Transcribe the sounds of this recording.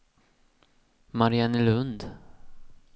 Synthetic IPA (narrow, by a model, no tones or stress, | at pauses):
maɾɪanɪlɵnd̪